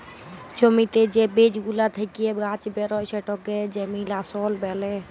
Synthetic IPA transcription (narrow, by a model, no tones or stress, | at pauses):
t͡ʃɔmit̪ed͡ʒebeːd͡ʒɡulat̪ʰəkiebɡaːt͡ʃbeɾɔjsɛʈɔk̚ed͡ʒemilasɔːlbɛːle